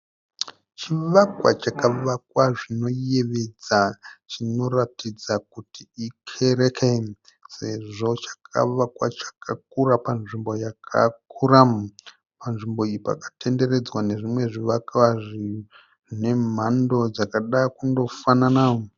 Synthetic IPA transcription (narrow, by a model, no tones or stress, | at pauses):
t͡ʃiʋakwa̰t͡ʃakaʋak̚waʐino̞jeʋed͡zat͡ʃino̞ratid͡zak̚utiikʰe̞ɾekʰe | se̞ʐo̞t͡ʃḁkʰa̰ʋakwat͡ʃḁkak̚urapanʐimbo̞jakʰa̰kʰuɾa | panʐimbo̞ipa̰kḁte̞nde̞re̞d͡zwane̞ʐimwe̞ʐiʋakwaʐi | ʐine̞m̤ando̞d͡zakaɗakundo̞fananao